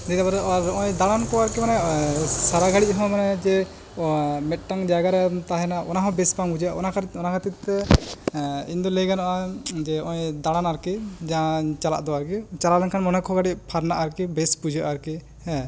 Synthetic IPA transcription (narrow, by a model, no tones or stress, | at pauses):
d̪it̪abaɾɾɔjd̪aɽankɔwaɾkimanɛsaɾaɡʱaɽic̚ɦɔ̃manɛd͡ʒɛ | mɛt̪̚ˀʈaŋd͡ʒaɡaɾɛt̪aɦɛnaʔɔnaɦɔ̃bɛsbaŋɡud͡ʒaʔɔ̰nakʰɔnakʰat̪it̪ːɛ | ind̪ɔlejɡanɔʔad͡ʒɛɔjd̪aɽanaɾkid͡ʒãt͡ʃala̰ʔd̪ɔwaɾkit͡ʃalalɛnkʰanmɔnɛkʰɔɡaɽiʔ̚pʰaɾnaʔaɾkibɛspud͡ʒʱaʔaɾki | ɛ̃